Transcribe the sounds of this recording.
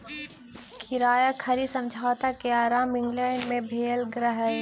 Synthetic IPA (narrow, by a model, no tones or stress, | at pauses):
kʰɪɾaːjakʰɐɾisɐ̃md͡ʒʱaːt̪akeaːɾaːmɪ̃ŋɡlɛ̃ːɳɖmẽbʱeːlɡɾəɦɛ